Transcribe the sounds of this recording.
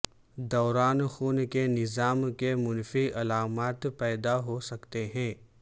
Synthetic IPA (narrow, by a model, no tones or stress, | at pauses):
d̪ɔːɾaːnxuːnkenɪzaːmkemʊnfiɐlaːmaːt̪pɛːd̪aɦosɐkt̪eɦɛ̃ː